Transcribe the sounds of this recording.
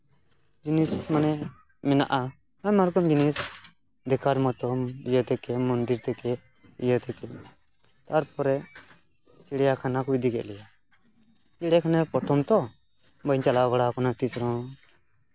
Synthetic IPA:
d͡ʒinismanɛ | mina̰ʔa | amaɾkɔmd͡ʒinis | d̪ɛkaɾmɔt̪ɔjɔt̪ɛkɛmɔnd̪iɾt̪ɛkɛ | jɔt̪ɛkɛ | t̪aɾpɔɾɛ | t͡ʃiɽɛjakʰanakujd̪iɡɛ̰ʔlɛja | iɽɛkʰanɛpɔʈʰɔmt̪ɔ | bənt͡ʃalabaɽakɔnat̪isɾɔ̃

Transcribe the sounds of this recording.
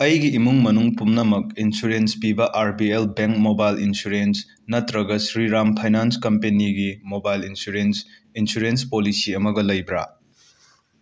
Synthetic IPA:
ɐjɡiːmuŋmɐnuŋpumnɐmɐk̚insuɾenspibɐʔaɾbielbeŋk̚mobajlinsuɾens | nɐtɾɐɡɐsɾiɾampʰajnanskɐmpeniɡimobajlinsuɾens | insuɾenspolisiɐmɐɡɐlɐjbɾa̰

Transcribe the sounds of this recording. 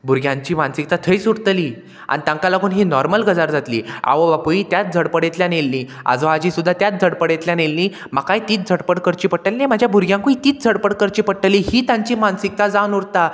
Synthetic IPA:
bʱuɾɡʱjãɲt͡ɕiːmansikt̪at̪ʰəjsuɽt̪əliː | a̰nit̪ãŋkalaɡuːnɦinɔɾməlɡəd͡zaɾd͡zat̪lḭːa̰ʋəbapuiːt̪jat̪̚d͡zʱəɽpəɽet̪ljanelːiː | a̰d͡zoad͡ʑiːsud̪ʱːat̪jat̪̚d͡zʱəɽpəɽet̪ljanelːiː | makajt̪iːt̪̚d͡zʱəɽpəɽkəɾt͡ɕiːpəʈʈːəlinajm̤əd͡ʑʱjabʱuɾɡʱjãŋkũit̪iːt̪̚d͡zʱəɽpəɽkəɾt͡ɕiːpəʈʈːəliːhiːt̪ãɲt͡ɕiːmansik̚t̪ad͡zanuɾt̪a

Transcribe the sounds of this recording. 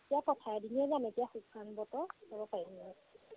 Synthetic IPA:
tijapɔtʰajdiniɛzametijaxukʰːanbɔtɔɔbɔpaidiniɛa

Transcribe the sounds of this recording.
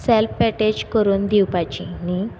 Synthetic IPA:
sɛlfːɛʈed͡ʑkəɾuːnd̪iwpat͡ɕḭni

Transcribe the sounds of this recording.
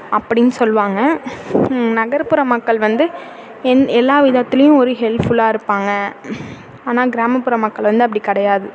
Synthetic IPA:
ɐpːɐɽɪnːɯsɔlːʋaːŋɡɐ | nɐɣɐɾpɯɾɐmɐkːɐɭʋɐnd̪ɯ | ɛnɛlːaːʋɪðɐt̪ːɪlɐjʊ̃ɔɾɯɦɛlfʊɭaːɪɾɯpːaːŋɡɐ | aːnaːɡɪɾaːmɐpːɯɾɐmːɐkːɐɭʋɐnd̪ɯɐpːɐɽikɐɽɐjaːðɯ

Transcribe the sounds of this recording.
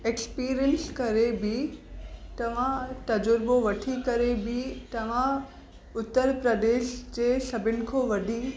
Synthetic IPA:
ekspiːɾiənskɐɾebi | t̪ɐʋ̤ãt̪ɐd͡ʑʊɾboʋɐʈʰikɐɾebɪt̪ɐʋ̤ã | ʊt̪ːəɾpɾɐd̪eːʃd͡ʑeːsɐbʱɪnɪ̆kʰoːʋɐɖʱi

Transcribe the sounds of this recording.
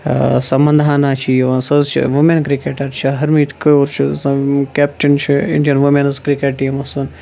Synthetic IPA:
sɐmbɐ̃nd̪ʱaːnaːt͡ʃʰijʋɐnsɐzt͡ʃʰḭʋumenkɾikeːʈɐɾt͡ʃʰiɦɐɾmiːt̪ʰkɨoɾt͡ʃʰisɐ̃keːp̚ʈint͡ʃʰiɪɳɖijɐnʋumenɐzkɾikeʈ̚ʈːiːmɐsun

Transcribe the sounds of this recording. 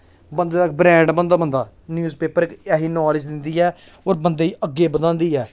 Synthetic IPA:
bənd̪eːd̪akbɾɛ̃ːɳɖbənd̪aːbənd̪aː | njuːzpeːpəɾɪkɛːɦiːnɔːlɪd͡ʒd̪ɪnd̪iːɛː | oːɾbənd̪eːiːʔəɡːeːbəd̪ãːnd̪iːɛː

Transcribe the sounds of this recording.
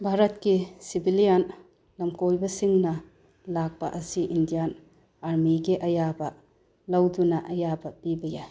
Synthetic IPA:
bʱaɾɐt̚kisibilijan | lɐmkojbɐsiŋnɐ | lak̚pɐ̰ʔɐsiʔindijan | aɾmiɡiʔɐjabɐ | lɐwdunɐʔɐjabɐpibɐja

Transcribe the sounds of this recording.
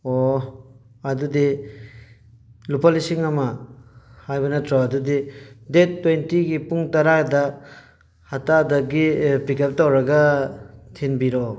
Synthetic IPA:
o | ɐdudi | lupɐlisiŋɐmɐ | hajbɐnɐtʰɾɔɐdudidetːejntiɡipuŋtɐɾadɐ | hatadɐɡipikɐp̚tawɾɐɡɐ | tʰinbiɾɔ

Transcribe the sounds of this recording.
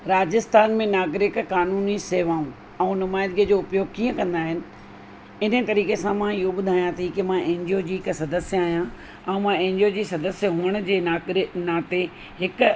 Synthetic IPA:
ɾaːd͡ʑɪst̪ʰaːnmẽnaːɡɾɪkkaːnuːniseːʋãːũ | ɛ̃ũnʊmaːɪd̪ɡijəd͡ʑoːʊpjoːɡkiːə̃kɐ̃nd̪aːɦɪnɪ̆ | ɪnət̪ɐɾiːkesãmãɪɦoɓʊd̪ʱaːjãt̪ʰikɪmãʔẽːɲd͡ʑijod͡ʑiːɦɪksɐd̪əsjəaːɦjã | ɛ̃ũmãẽːɲd͡ʑjod͡ʑiːsɐd̪əsjəɦuəɽ̃ʊ̆d͡ʑeːaːɾɪnãːt̪e | ɦɪk

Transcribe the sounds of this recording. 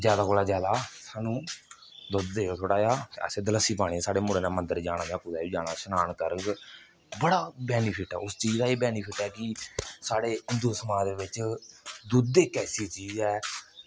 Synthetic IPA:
d͡ʒjaːd̪aːkoːlaːd͡ʒjaːd̪aːsaːnũː | d̪od̪d̪eːoːt̪ʰoːɽaːjaːə̰seːd̪ələsiːp̬aːɽisaːɽeːmʊɾeːnaːmənd̪əɾd͡ʒaːɽ̃ãːd͡ʒãːkʊd̪aːiːd͡ʒaːɽ̃aːsənaːɳkəɾək | bəɽaːbɛːnipʰɪʈɛ̰ːʊst͡ʃiːd͡ʒd̪aːeːbɛːnipʰɪʈɛːkɪsaːɽeːʊnd̪oːsmãːd̪eːʋɪt͡ʃd̪ʊd̪eːkɛːsiːt͡ʃiːd͡ʒɛː

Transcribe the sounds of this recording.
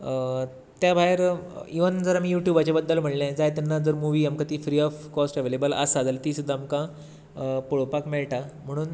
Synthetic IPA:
t̪jabʱaeɾiʋənd͡zəɾamiːjuʈjubat͡ɕabəd̪ːəlm̤əɽljãd͡zajt̪anːad͡zəɾmuʋiːamkãt̪iːfɾiːɔfkɔsʈəʋelebələ̰sad͡zalt̪iːsud̪ʱamkã | poɭopakmeɭʈam̤əɽ̃uːn

